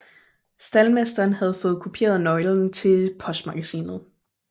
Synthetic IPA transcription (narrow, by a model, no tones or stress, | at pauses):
sd̥ælmesd̥ɐːnhæð̞̩ˠfɔ̽ːð̞̩ˠkʰupʰe̝̰ːɐð̞ˠnɒ̽ɪln̩t͡sʰe̝lpʰɒ̽sd̥mɑ̈ɡ̥æsḭːnð̩ˠ